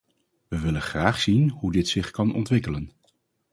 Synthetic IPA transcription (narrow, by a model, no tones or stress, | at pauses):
ʋəʋɪlənχraːχsinɦudɪtsɪχkɑnɔ̰ntʋɪkələn